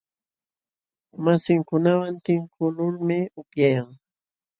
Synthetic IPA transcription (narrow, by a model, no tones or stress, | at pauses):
masɪŋkʊnawant̪ɪŋkʊlʊɾmɪʊpjajaŋ